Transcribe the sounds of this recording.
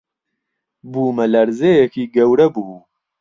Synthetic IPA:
buːmɐlɐɾzeːjekiːɡɐwɾɐbuː

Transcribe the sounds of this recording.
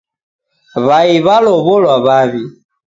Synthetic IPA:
βaiβalɔβɔlwaβaβi

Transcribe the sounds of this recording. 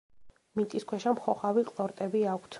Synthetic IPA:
mit̪ʼiskʰwɛʃamχɔχaviqʼlˠɔɾt̪ʼɛbiakʷʰt̪sʰ

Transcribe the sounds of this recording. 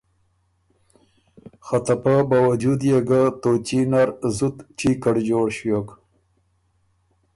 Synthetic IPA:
xat̪apabawad͡ʒud̪jeɡat̪ot͡ʃinaɾzut̪t͡ʃikaɽd͡ʒoːɽɕjok

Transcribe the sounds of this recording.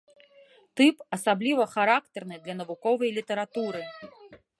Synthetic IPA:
t̪ɨpɐsablʲivɐxaɾakt̪ɛrnɨd̪lʲɐnɐvukɔvɐjlʲit̪ɛɾat̪uɾɨ

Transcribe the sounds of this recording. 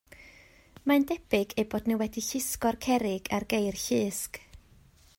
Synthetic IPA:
mandɛb̥ɪɡejboːdnɪwɛdiɬɪskɔrkʰɛɾɪɡarɡejrɬɨːsk

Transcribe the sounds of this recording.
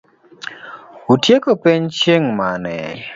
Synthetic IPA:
utjekopeɲt͡ʃeŋmanɛ̰

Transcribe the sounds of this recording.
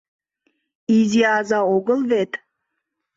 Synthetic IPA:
iziazaoɡəlˠvet̪ʼ

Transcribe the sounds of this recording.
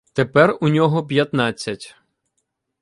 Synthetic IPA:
t̪epɛrunʲɔɦɔp̬ʲjɐt̪nɑt͡sʲːɐtʲ

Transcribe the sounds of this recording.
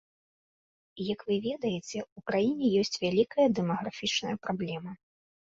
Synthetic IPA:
ijɐkvɨvʲɛd̪ɐjɛt͡sʲɛukɾajinʲɛjɔsʲt͡sʲvʲalʲikɐjɐd̪ɛmɐɣɾafʲit͡ʂnɐ̰jɐpɾablʲɛmɐ

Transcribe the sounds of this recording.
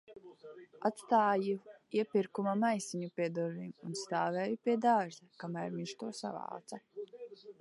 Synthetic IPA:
at̪st̪aːjiiɛpʲiɾkumamajsiɲupʲiɛd̪ɔɾvinunst̪aːvɛːjupʲiɛd̪aːʒɛkamæːɾviɲʃt̪uɔsa̰va̰ːt̪sa

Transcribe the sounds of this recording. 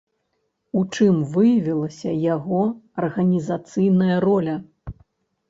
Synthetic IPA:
ut͡ʂɨmvɨjɐvʲilˠɐsʲɐjaɣɔɐrɣɐnʲizat̪sɨjnɐjɐrɔlʲɐ

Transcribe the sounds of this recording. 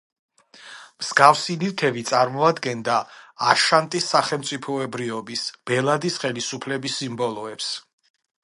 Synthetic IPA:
mz̥ɡafsinilk̪ʰɛbit̪sʼaɾmɔad̪ɡɛnd̪aːʃant̪ʼisːaχɛlˠmt̪sʼipʰɔɛbɾiɔbisb̥ɛlˠad̪isχɛlisupʰlɛbisːimbɔlˠɔɛps

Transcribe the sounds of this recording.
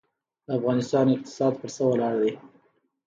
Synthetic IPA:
d̪̥əafɣɑnɪst̪ɑnɪq̚t̪ɪ̥sɑd̪pəɾsəwəlɑɽd̪e

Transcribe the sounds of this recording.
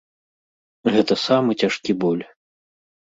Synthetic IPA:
ɣɛt̪ɐsamɨt͡sʲaʂkʲibɔlʲ

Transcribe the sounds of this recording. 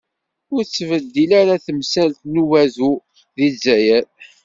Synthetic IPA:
ʊɾt͡sːvəd̪ːilaɾaθəmsælt̪nuvæzu | ðizæjæɾ

